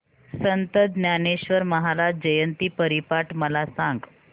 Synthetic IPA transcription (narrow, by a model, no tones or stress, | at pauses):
sənt̪əd̪njaneɕʋəɾməɦalat̪̚d͡ʑəjənt̪iːpəɾipaʈməlasãŋɡ